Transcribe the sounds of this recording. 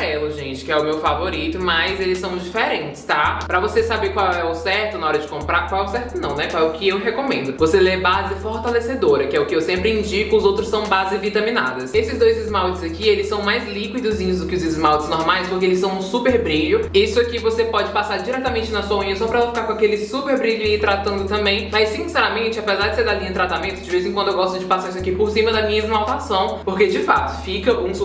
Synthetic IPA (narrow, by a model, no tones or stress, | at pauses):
ɛlʊʒẽnt͡ʃɪ̥kɪɛʊmewfavoɾit̪ʊmɐzelɪsːɐ̃w̃d͡ʒifeɾẽnt͡ʃɪ̥st̪apɾɐvosesabeɾkwawɛʊsɛɾt̪ʊnɐɔɾɐd͡ʒɪkõmpɾaɾkwawɛʊsɛɾt̪ʊnɐ̃w̃nɛkaɛʊkɪewɦekõmẽnd̪ʊvoselebazɪfoɾt̪alesed̪oɾɐkɪɛʊkɪewsẽmpɾɪĩd͡ʒikɪʊzowt̪ɾʊsːɐ̃w̃bazɪvit̪ɐ̃mĩnad̪ɐsesɪzd̪ojzɪzmawt͡ʃɪzakielɪsɐ̃w̃majzlikwid̪ʊzĩɲʊzd̪ʊkɪʊzɪzmawt͡ʃɪznɔɾmajspʊhkeelɪsɐ̃w̃nʊsupeɾbɾiʎʊisʊakivosepɔd͡ʒɪpasaɾd͡ʒiɾɛt̪amẽnt͡ʃɪnɐsuɐũɲiasɐ̃w̃pɾɐɛlɐfi̥kaɾkõakelɪsupeɾbɾiʎʊaiɪt̪ɾat̪ɐ̃nd̪ʊt̪ɐ̃mbẽj̃mɐjsĩsɛɾɐmẽnt͡ʃɪapezaɾd͡ʒɪseɾd̪alĩɲʊt̪ɾat̪amẽnt̪ʊd͡ʒɪvezɪzẽkwɐ̃d̪ewɡɔst̪ʊd͡ʒɪpasaɾisʊakipoɾsĩmɐd̪ɐmĩɲɐɪzmawt̪asɐ̃w̃poɾked͡ʒɪfat̪ʊ̥fikɐʔũ